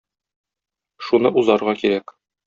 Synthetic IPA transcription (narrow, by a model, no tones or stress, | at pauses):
ʃunɤʔuzɑɾʁɑkiɾæk